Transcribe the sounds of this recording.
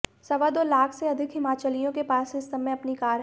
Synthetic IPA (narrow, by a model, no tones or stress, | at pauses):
sɐʋad̪oːlaːkʰseɐd̪ʱɪkɦɪmaːt͡ʃəlijõkepaːsɪsɐmẽɐpnikaːɾ